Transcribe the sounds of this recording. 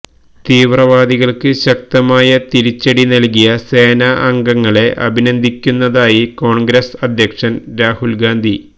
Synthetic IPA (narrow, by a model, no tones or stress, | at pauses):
t̪iːʋrɐʋaːd̪iɣɐɭkɨɕɐk̚t̪ɐmaːjɐt̪iɾit͡ɕːɐɽinɐlk̬ijɐseːnaʔɐŋɡɐŋːɐɭe̞ʔɐ̰bʱinɐnd̪ʱikʲːunːɐðaːjiko̞ːɳɡɾesɐd̪ʱjɐkʂɐnɾaːhulɡaːnd̪ʱi